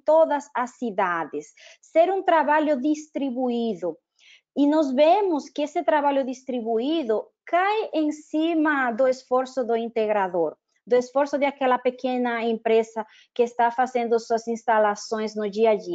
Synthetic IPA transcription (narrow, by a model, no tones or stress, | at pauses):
t̪oðɐsasiðaðɪsː | eɾũŋt̪ɾaβaʎʊðist̪ɾiβuiðʊ | inɔzβemʊskɪesɪt̪ɾaβaʎʊðist̪ɾiβuiðʊ | kajẽŋsimɐd̪ʊesfoɾsʊðʊint̪eɣɾaðoɾ | d̪ʊesfoɾsʊðɪakɛlɐpekenɐẽmpɾesɐ | kɪːst̪afazẽnd̪ʊsuɐsĩnst̪alasõj̃znʊd͡ʒiadi